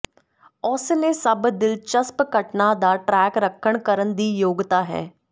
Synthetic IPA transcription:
ɔsnesəbd̪ɪlt͡ʃəspkəʈnad̪aːʈɾɛːkɾəkʰːəɽkəɾənd̪iːjoːɡt̪aːɦɛ̰ː

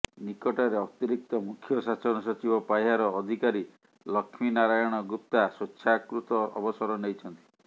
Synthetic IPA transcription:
nikɔʈɔɾeɔt̪iɾik̚t̪ɔmukʰjɔsasɔnɔsɔt͡ʃibɔpajɦaɾɔːd̪ʱikaɾi | lɔkʰminaɾajɔɽ̃ɔɡɾup̚t̪asotːʃʰakɾut̪ɔɔ̰bɔsɔɾɔnejt͡ʃʰɔnt̪i̥

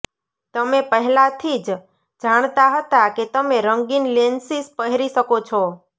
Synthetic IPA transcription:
t̪əmepəɦlat̪ʰid͡ʒ | d͡ʒaɽ̃t̪aɦət̪aket̪əmeɾəŋɡinlensispəɦɾiʃəkot͡ʃʰɔ

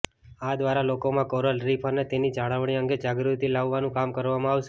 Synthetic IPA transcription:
ad̪ʋaɾalokomãkoɾəlɾipʰənet̪enid͡ʒaɽəʋɳiə̃ŋɡed͡ʒaɡɾut̪ilaʋːanũkamkəɾʋamãaʋʃe

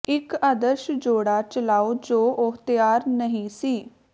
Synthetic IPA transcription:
ɪkaːd̪əɾʃd͡ʒoːɽaːt͡ʃəlaːoːd͡ʒoːʔʊɦt̪ɪjaːɾnəɦĩːsiː

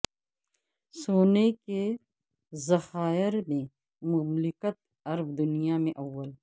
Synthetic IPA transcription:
soːneke | zɐxaːɪɾmẽ | mʊmlɪkət̪̚ | ɐɾbd̪ʊnijamẽʔɐwːəl

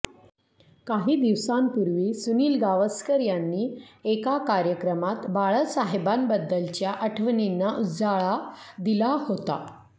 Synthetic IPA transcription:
kaɦiːd̪iʋsampuɾʋiːsuniːlɡaʋəskəɾjanːiːekakaɾjəkɾəmat̪baɭəsaɦebanbəd̪ːəlt͡ɕjaʔəʈʰʋninːaʔud͡zaɭad̪ilahot̪a̰

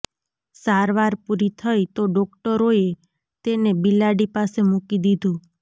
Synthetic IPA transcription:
saɾʋaɾpuɾit̪ʰəjt̪oɖɔk̚ʈəɾoe | t̪enebilaɖipasemukid̪id̪ʱũ

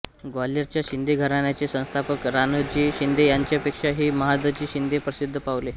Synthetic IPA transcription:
ɡwaleɾt͡ɕjaɕind̪ʱeɡʱəɾaɳjat͡ɕesə̃w̃st̪ʰapəkɾanəd͡ʑiːɕind̪ʱejaɲt͡ɕjapekʂaɦiːməɦad̪ət͡ɕiːɕind̪epɾəsid̪ʱːəpaʋle

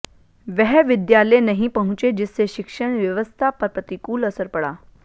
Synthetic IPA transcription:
ʋɛɦʋid̪jalenəɦĩpəɦũt͡ɕed͡ʑiseɕikʂəɳ̃ʋjəʋəst̪ʰapəɾpət̪ikuːləsəɾpəɽa̰

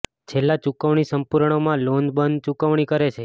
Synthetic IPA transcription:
t͡ʃʰelːat͡ʃukəʋɳ̃isəmpuɾɳ̃omãlond̪bənd̪̚t͡ʃukəʋɳ̃ikəɾet͡ʃʰe

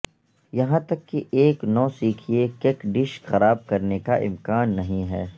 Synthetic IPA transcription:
jɐɦãt̪ɐkːiʔeːknɔːsiːkʰiekeːkɖɪʃxɐɾaːb̚kɐɾnekaʔɪ̰mkaːnːɐɦĩɦɛː

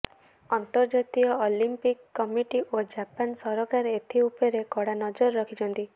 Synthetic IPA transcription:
ɔnt̪ɔɾd͡ʒat̪iɔolimpikːɔmiʈiʔod͡ʒapansɔɾɔkaɾet̪ʰiupɔɾekɔɽanɔd͡ʒɔɾɾɔkʰit͡ʃɔnt̪i

